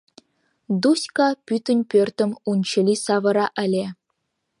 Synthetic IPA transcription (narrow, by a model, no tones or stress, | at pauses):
d̪usʲkɑpʲyt̪ʲɘ̆nʲpʲørʲt̪ʲɘ̆munʲt͡ɕɘ̆lʲisɑʋɤ̆ɾɑʔɘ̆lʲe